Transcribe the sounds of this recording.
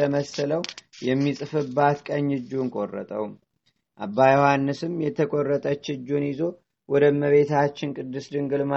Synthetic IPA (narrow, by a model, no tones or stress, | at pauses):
əməsələwjɛmːisʼɨfɨbːat̪kʼəɲːɨd͡ʒːuŋkʼo̰rːə̰t̪ʼə̰w | ʔabːajɛhanːɨsɨmjɛt̪ʰəkʼo̞rːət̪ʼət͡ʃːɨd͡ʒːunjɪzo̞ | wɔd̪əməβe̞t̪ʰat͡ʃːɪnkʼɨd̪ːɨsd̪ɨŋɡɨlma